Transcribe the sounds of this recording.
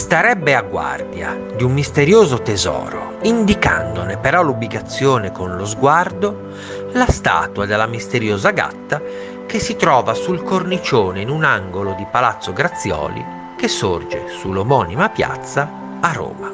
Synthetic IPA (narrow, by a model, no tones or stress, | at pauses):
st̪aɾɛbːeaɡːwa̰rd̪ja̰ | d̪umːist̪eɾjoːzot̪ezɔ̰ːɾo̰ind̪ika̰nd̪onepeɾɔlobːiɡat̪sːjoːnekonlozɡward̪o | last̪a̰ːt̪wad̪elːamist̪eɾjoːzaɡa̰t̪ːa | kesːit̪ɾɔːvasulkornit͡ʃoːneinunaŋɡolod̪ipalat̪sːoɡɾat̪sːjɔ̰ːlḭ | k̟esːord͡ʒḛsulomɔnimapja̰t̪sːaː | rːo̰ːma